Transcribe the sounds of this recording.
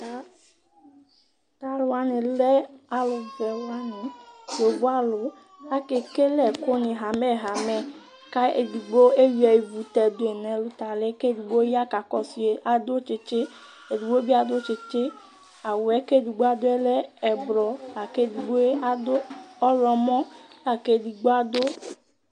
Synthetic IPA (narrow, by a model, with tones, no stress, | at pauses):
a˦ | t̪a˨lwa˨˦nĩ˨lɛ˦a˨lʊ˨vɛ˨wa˦nĩ˨jo˨ɡ͡bo˦a˦lʊ˨ | a˦ke˨ke˦lɛ˨ko˦nĩ˨ɦa˨mɛ˦ɦa˨mɛ˦ | ka˦e˨du˨ɡ͡bo˦e˦ju˦ɛ˨ji˨vu˨t̪ɛ˨d̪o˦e˨nɛ̃˨lu˦t̪a˨le˦ke˦du˨ɡ͡bo˦ja˦ka˨kɔ˦si˨e˨ʔa˨d̪o˦t͡ʃe˨t͡ʃe˦ | e˨di˨ɡ͡bo˦bi˦a˨d̪o˦t͡ʃe˨t͡ʃe˦ | a˨wo˨ɛ˦ke˦˨di˨ɡ͡bo˦a˦d̪o˦e˦lɛ˦ɛ˨blɔ˨la˨ke˦˨di˨ɡ͡bo˦e˦a˨d̪o˦ɔ˦lɔ˨mɔ̃˦la˨ke˦˨di˨ɡ͡bo˦a˨d̪o˦